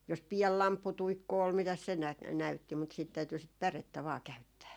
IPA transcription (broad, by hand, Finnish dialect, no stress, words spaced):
jos piɛl lɑmpːutuikːu ol mitæs se næ næytːi mut siːt tæyty sit pæretːæ ʋɑː kæytːæː